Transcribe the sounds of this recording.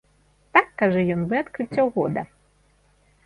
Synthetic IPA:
t̪akːaʐɛjɔnvɨat̪kɾɨt͡sʲːɐwɣɔd̪ɐ̰

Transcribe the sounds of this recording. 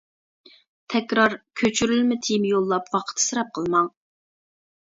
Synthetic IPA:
t̪ʰɛkʲɾɑɾkʲʰøt͡ʃʰyɾylmɪt̪ʰijmjolˠːɑpwɑqʰə̥t̪ʰːɨ̥sɨɾɑp̚qʰəlˠmɑŋ

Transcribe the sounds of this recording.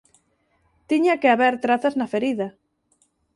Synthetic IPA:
t̪iɲakeaβeɾt̪ɾaθaznɐfeɾiðɐ

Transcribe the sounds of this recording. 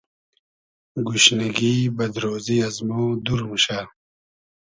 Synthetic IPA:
ɡuɕniɡiːbɐd̪ɾoːziɐzmoːd̪uɾmuɕaː

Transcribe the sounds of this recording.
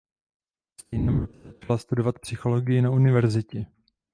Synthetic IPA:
sinɛmat͡ʃalast̪udo̞vat̪psɪxo̞lo̞ɡɪjɪnaunɪvɛɾzɪcɛ

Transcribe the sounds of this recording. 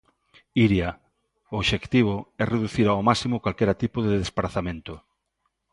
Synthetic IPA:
iɾja | ʊoβʃekt̪iβ̞oɛreðuθiɾawmasimokwalkɛɾat̪ipoðeðespɾaθamẽnt̪o

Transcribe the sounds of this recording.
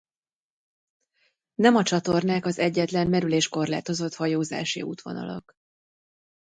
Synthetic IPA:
nɛmɒt͡ʃɒt̪o̞rnaːkɒzɛɟːɛt̪lɛmːɛɾyleːʃko̞rla̰ːt̪o̞zo̞t̪hɒjoːza̰ːʃḭṵːt̪ʋo̞̰nɒ̰lɒ̰k

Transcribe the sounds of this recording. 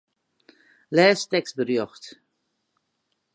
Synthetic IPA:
lɛːstɛkst̚bərjɔxt

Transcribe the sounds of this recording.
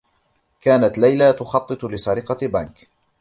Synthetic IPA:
kaːnat̪lajlat̪ʊxɑt̪ˤːɨt̪ˤlɪsaɾɪqɑbank

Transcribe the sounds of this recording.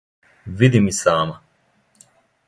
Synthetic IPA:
vid̪imisaːmɐ

